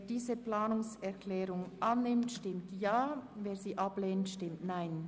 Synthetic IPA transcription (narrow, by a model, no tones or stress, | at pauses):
diːzəplaːnʊŋsɛʁkʰlɛːʁʊŋʔanːɪmtʃtɪmtjaːveːziːʔapleːntʃtɪmtnaɪn